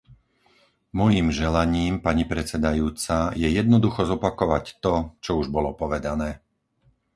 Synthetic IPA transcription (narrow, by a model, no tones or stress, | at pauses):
mɔjimʒɛlaɲiːmpaɲipɾɛt͡sɛd̪ajuːt͡sajɛjɛd̪nɔd̪uxɔzɔpakɔʋact̪ɔt͡ʃɔuʒbɔlɔpɔʋɛd̪anɛː